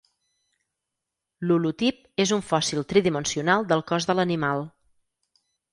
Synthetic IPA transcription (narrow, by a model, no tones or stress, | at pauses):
lulut̪ip̚ | ezuɱfɔsilˠt̪ɾiðimənsiunalˠd̪əlˠkɔzðələnimalˠ